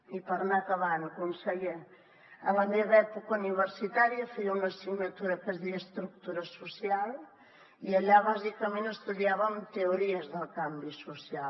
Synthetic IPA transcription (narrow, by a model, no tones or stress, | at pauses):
ipaɾnakɐβanɐkonsaɣe | ɐβand̪eðɛpukɐuniβeɾsit̪aɾjɐfeʎunɐsiɣɲɐt̪uɾɐkɐzðiɐst̪ɾuk̚t̪uɾɐsusjal | iɐʎaβazikɐmẽnt̪est̪uðjaβɐnt̪euɾiɐzðɐlkambisusja